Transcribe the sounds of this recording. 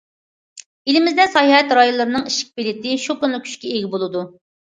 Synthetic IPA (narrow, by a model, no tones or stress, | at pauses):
elɪmɪzd̪ɛsɑjhɛt̪ɾɑjolːˠɨɾɨnɨŋiʃɪ̥k̚ʲbelɪt̪ɪʃukʲynlˠɪkʲʰy̥t͡ʃkʲɛeɡʲɪbolˠɨd̪u